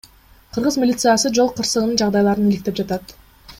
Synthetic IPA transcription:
qʰɯɾʁɯzmʲilʲit̪sɨjasɯd͡ʒo̞lˠqʰɯɾsɯʁənɯnd͡ʒɑʁd̪ɑjlˠɑɾɯnilik̚t̪e̞p̚d͡ʒɑt̪ɑt̪

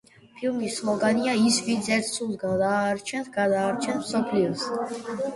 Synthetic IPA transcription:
pʰilmismɔɡaniaisvint̪sʰɛɾt̪ʰsulˠsɡad̪aːɾt͡ʃʰɛnsɡad̪aːɾt͡ʃʰɛnsmsɔpʰliɔs

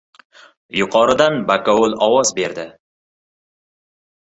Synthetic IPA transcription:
jʊqʰɒɾɪd̪anbakaʊlˠɒwɒzbe̞ɾd̪ɪ

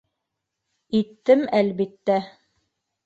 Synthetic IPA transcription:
it̪ːɘmælβit̪ːæ

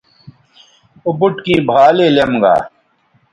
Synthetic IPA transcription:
ubuʈkĩːbʱaːleːljɐmɡa̰ː

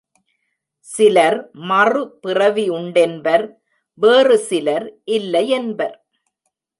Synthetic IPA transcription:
sɪlɐɾmɐrɯpɪrɐʋiʊɳɖɛnbɐɾ | ʋeːrɯsɪlɐɾʔɪlːɐɪɛnbɐɾ

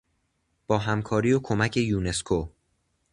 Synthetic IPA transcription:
b̥ɒːɦæmkʰɒːɾiːjokʰo̞mæcʰe̞juːne̞skʰo

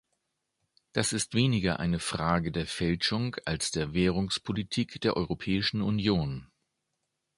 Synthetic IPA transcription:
d̥asɪstv̥eːnɪɡɐʔa̰ɪnəfʁ̥aːɡədeːɐfɛlʃʊŋalsd̥eːɐveːʁ̞ʊŋspʰolitʰiːkd̥eːɐʔɔʏʁopʰɛːɪʃn̩ʊnjoːn

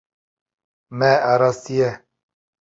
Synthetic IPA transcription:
mɛaɾɑst̪ijɛ

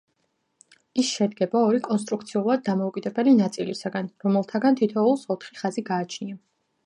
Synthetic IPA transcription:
isʃɛd̪ɡɛbaɔɾikʼɔnst̪ʼɾuk̚ʰt̪sʰiulˠad̪̚ːamɔukʼid̪ɛbɛlinat̪sʼilisaɡanɾɔmɛlˠt̪ʰaɡant̪ʰit̪ʰɔulˠsɔt̪ʰχiχaziɡaːt͡ʃʰnia

